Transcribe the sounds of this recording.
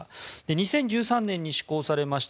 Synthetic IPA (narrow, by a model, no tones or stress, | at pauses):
d̪̥e̞ɲ̟isẽ̞ɲ̟d͡ʑɨːsãnːẽ̞ɲ̟ːiɕi̥ko̞ːsaɾe̞maɕi̥t